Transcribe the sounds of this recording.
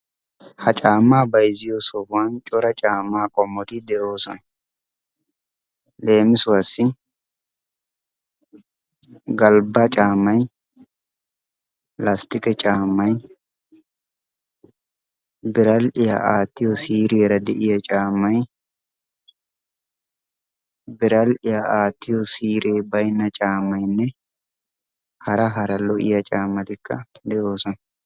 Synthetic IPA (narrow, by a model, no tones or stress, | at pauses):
hɐt͡ʃʼaːmːaːbɐjzɪjɔsɔbʊwant͡ʃʼɔɾɐt͡ʃʼaːmːaːkʼɔmːɔt̪ɪd̪ɛʔo̞ːsɔnɛ | le̞ːmɪsʊwɐsːɪ | ɡɐlbat͡ʃʼaːmːɐj | last̪ɪkʼɛt͡ʃʼaːmːɐj | bɪɾɐlɪja̰ʔaːt̪ːɪjɔsiːɾeːɾɐd̪ɛʔɪjɐt͡ʃʼaːmːɐj | bɪɾɐlɪjaaːt̪ːɪjɔsiːɾeːbɐjnːɐt͡ʃʼaːmːɐjnːɛ | hɐɾɐɦɐɾɐlɔʔɪ̰jɐt͡ʃʼaːmːɐt̪ɪkːɐ̰d̪ɛʔoːsɔn